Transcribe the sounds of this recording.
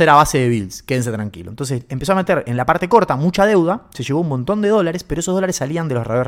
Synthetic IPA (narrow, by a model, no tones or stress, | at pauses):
eɾaβaseðeβilskeðens̬et̪ɾaŋkḭlont̪o̞nsesempeso̞ame̞t̪eɾenlapaɾt̪e̞ko̞ɾt̪amut͡ʃaðe̞wðase̞ʃeβo̞umo̞nt̪o̞nd̪e̞ðo̞laɾespeɾoesoðolaɾesːaliand̪elosreo